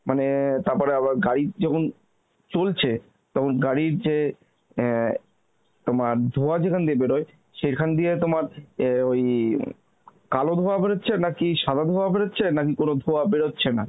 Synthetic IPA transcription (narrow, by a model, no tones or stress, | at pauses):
manet̪aɾpɔɾeaβaɾɡaɽid͡ʑɔkʰon | t͡ɕolt͡ɕʰe | t̪ɔkʰonɡaɽiɾd͡ʑe | t̪omaɾd̪ʱoad͡ʑekʰaned̪iebeɽoe | ʃeɾkʰaned̪ijet̪omaɾoj | kalod̪ʱoabeɽotːɕʰenakiʃad̪ʱad̪ʱoabeɾotːɕʰenak̬ikonod̪ʱoabeɽotːɕʰena